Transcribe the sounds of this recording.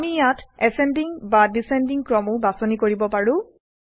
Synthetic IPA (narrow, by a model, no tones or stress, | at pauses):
mijatɛsɛndiŋbadisɛndiŋkɹɔmʊbasɔnikoɹibɔpaɹʊ̃